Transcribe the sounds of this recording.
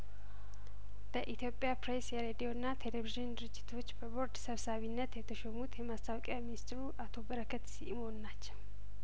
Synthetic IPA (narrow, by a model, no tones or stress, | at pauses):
b̥əʔit̪jo̞pʼːijapɾesjɛɾed̪ijo̞ɨnːat̪ʰe̞leviʒɨnd̪ɨɾɨd͡ʒːɪt̪ʰo̞t͡ʃːbəbo̞ɾd̪səβsaβinːət̪jɛt̪ʰəʃomut̪jɛmast̪ʰawkʼjaminist̪ɾuʔat̪ʰo̞bəɾəkʰət̪siʔmo̞nːat͡ʃːɛw